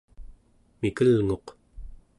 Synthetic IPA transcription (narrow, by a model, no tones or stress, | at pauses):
mikəlŋo̞q